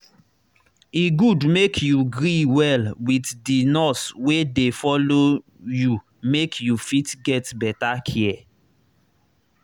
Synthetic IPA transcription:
iɡudmekʰjuɡɹiwɛlwiθdinɔswedefɔlo | ju | mekʰjufitɡɛtbɛtakʰiɛ

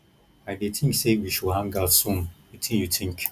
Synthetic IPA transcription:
ajdetʰĩsewiʃuɦãŋɡasumitʰĩjutʰiŋ̩kʲ

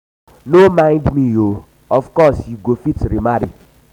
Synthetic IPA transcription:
nomãɪ̃ndmĩo | ɔfkɔsjuɡofitɾimaɾḭ

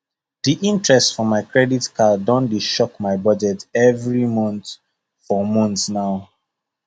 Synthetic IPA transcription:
diʔĩntɹɛstfɔmaɪkɹɛditkʰadɔ̃nbiʃɔkmaɪbɔd͡ʒɛtɛvɹimɔ̃nt | fɔmɔ̃ntsnaʊ

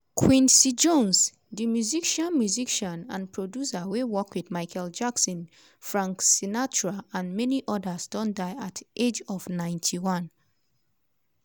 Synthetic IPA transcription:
kʰwĩnsid͡ʒõns | dimjuziʃãnmjuziʃɔ̃nãnpʰɹodjusawewɔkwiθmaɪkʰɛld͡ʒaksɔ̃n | fɹãŋksinat͡ʃɹaãnmɛniʔɔdasdɔ̃ndaɪatʔed͡ʒɔvnãɪ̃ntʰiwɔ̃n

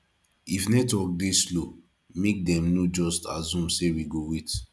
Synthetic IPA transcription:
ifnɛtɔk̚deslo | mek̚dɛ̃mnod͡ʒɔstazũmsewiɡowet

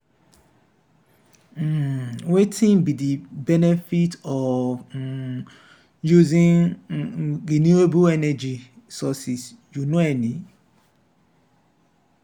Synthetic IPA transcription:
m̩wetʰɪ̃ŋbidibɛnɛfitɔ | juzĩŋ | ɾinuebuɛnɛd͡ʒi | sɔsis | junũɛnĩ

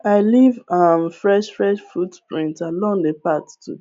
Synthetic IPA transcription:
aɪlivamfɹɛʃfɹɛʃfutpɹĩntalɔ̃ŋdəpattṵ

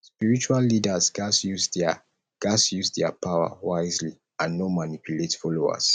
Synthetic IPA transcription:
spiɹit͡ʃualːidəzɡasjuz | ɡ̥asjuzdɛpʰawə̰waɪzli | ãnːɔmanipʰjuletfɔloa̰z̥

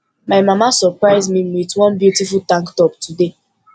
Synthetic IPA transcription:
maɪmamasɔpɹaɪzmĩwitwɔ̃nbjutifultãŋktɔp̚tude

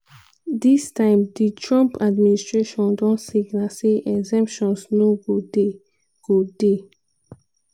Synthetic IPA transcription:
distãɪ̃mditʰɹɔ̃mpʰadministɹeʃɔ̃ndɔ̃ntsiɡnaseʔɛɡzɛ̃mpʃɔ̃nsnoɡode | ɡ̥ode

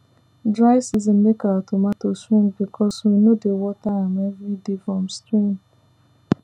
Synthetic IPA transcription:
dɾaɪsizimlekaɔtomatoswĩŋbikʰɔswinodewɔtaamɛvɾidefɔ̃mstɾĩŋ

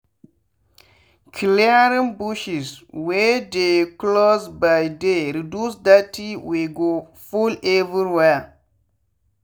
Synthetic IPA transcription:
kʰilɛɾĩnbuʃiswedeklozbajdeɾidusdatiweɡo | fuleviɾiwɛ

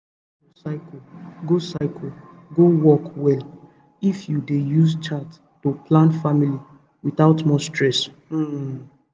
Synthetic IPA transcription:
osaɪkoɡosaɪkʰo | ɡowɔkwɛl | ifjudejuzt͡ʃat | toplãnfamili | wiθaʊtmɔstɹɛs̩

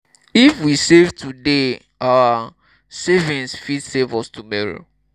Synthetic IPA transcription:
ifwisevtʰude | awa | sevĩnsfidsevɔstʰumɔɹo̰

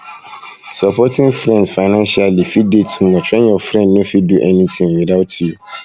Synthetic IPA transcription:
sapʰɔtʰɪ̃ŋfɾɛ̃nsfaɪnãnʃialifidetʰũ̥mɔ̃t͡ʃʰɹɛ̃njɔfɾɛ̃nnõfiduʔɛnĩt̪ʰĩŋwidaʊtʰju

